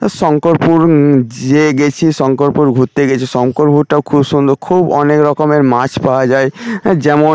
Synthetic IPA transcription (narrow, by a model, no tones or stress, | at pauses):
ʃɔŋkoɾpuɾd͡ʑeɡet͡ɕʰiʃɔŋkoɾpuɾɡʱut̪ːeɡet͡ɕʰiʃɔŋkoɾbʱuɾʈaokʰubʃund̪ʱokʰubɔnekɾɔkomeɾmat͡ɕpaad͡ʑaed͡ʑɛmo